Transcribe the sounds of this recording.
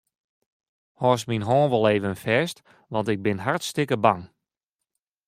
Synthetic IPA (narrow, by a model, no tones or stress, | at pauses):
hɔːs̬minɦɔːnʋɔlˠeːvənfɛst | ʋɑntɪɡ̚bɪnɦartstɪkəbaŋ